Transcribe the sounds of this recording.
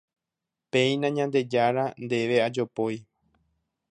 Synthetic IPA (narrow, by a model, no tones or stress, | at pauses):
pẽĩnãɲãnd̪e̞d͡ʒaɾand̪e̞ʋe̞ad͡ʒo̞poj